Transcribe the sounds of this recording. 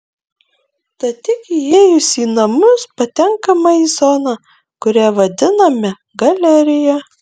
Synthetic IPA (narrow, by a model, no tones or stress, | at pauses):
t̪ɐt̪ʲɪkieːjʊsʲiːnɐmʊspɐt̪ʲɛŋkɐmɐizɔnɐ | kʊɾʲæːʋɐd̪ʲɪnɐmʲɛ | ɡɐlʲɛɾʲɪjɛ